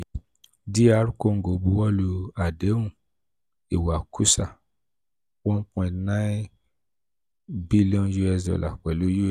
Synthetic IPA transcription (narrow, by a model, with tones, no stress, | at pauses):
di˦a˨˦ɾu˦ko˦˨ŋ̩˨ɡo˨˦bu˦wɔ˦lu˧a˨de˨˦ũ˦˨ | i˨wa˨kʰu˦sa˦˨ | wɔ̃˦k͡pɛ̃˧nã˦ | bi˦li˦ɔ̃˧nju˧˦ɛ˧sɔ̰˨la̰˨k͡pɛ˨lu˨˦ju˦˨